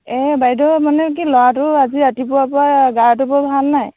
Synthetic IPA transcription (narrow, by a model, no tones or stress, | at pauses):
ɛbajdɔmanɛk̬ilɔwatʊaziatipʊwapɔɹaɡaɹt̬ʊbɔbʱalnaj